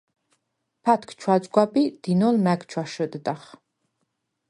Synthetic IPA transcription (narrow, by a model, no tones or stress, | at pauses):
pʰat̪ʰkʰt͡ʃʰwat͡sʼɡʷapʼid̪̥inolmækt͡ʃʰwaʃɨt̪ʼɨd̪ʼaχ